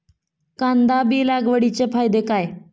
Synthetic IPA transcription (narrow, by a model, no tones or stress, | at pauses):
kãnd̪abiːlaɡʋəɽit͡ɕefajd̪ekaj